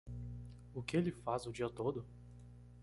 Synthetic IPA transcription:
ʊkɪelɪfazʊd͡ʒiɐt̪od̪ʊ

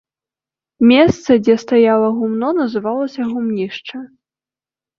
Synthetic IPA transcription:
mʲɛst̪sɐd͡zʲɛst̪ajalˠɐɣumnɔnɐzɨvalˠɐsʲɐɣumnʲiʂt͡ʂɐ

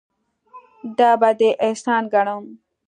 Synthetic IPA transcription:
d̪aːbad̪eʔesaːnɡɐɳom

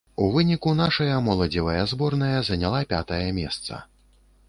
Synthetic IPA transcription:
uvɨnʲikunaʂɐjɐmɔlˠɐd͡zʲivɐjɐzbɔrnɐjɐzɐnʲalˠapʲa̰t̪ɐjɐmʲɛst̪sɐ̰

